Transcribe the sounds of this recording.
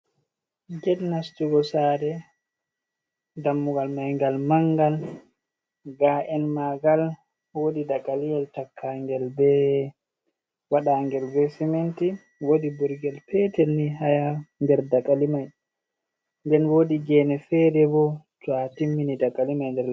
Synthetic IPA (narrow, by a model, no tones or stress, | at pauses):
ɡɛdnastuɡɔsaːɾɛ | damːuɡalmajŋɡalmaŋɡal | ɡaʔɛnmaɡal | woɗidakʼːalijɛltakʰːaŋɡɛlbɛ | waɗaŋɡɛlvɛsimenti | wodibuɾɡɛlpɛtɛlnːiɦajandɛɾdakʼːalimaj | ndɛnwodiɡɛnɛfɛdɛbɔtwatimːinidakʼːalimajndɛɾ